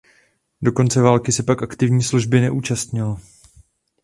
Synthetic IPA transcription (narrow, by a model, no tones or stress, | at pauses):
do̞ko̞nt͡sɛvaːlkɪsɛpakʔakt̪ɪvɲiːsluʒbɪnɛʔuːt͡ʃast̪ɲɪl